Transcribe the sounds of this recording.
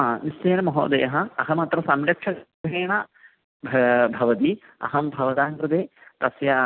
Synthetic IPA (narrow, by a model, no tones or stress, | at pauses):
nisjeːnɐmɐɦo̰ːd̪ḛjɐɦɐɐɦɐmɐt̪ɾɐsɐmɾɐkʂɐɡʱ | eːɳɐ | bʱbʱɐʋɐt̪i | ɐ̰ɦɐmbʱɐʋɐd̪aːŋkɾut̪eːt̪ɐsjɐ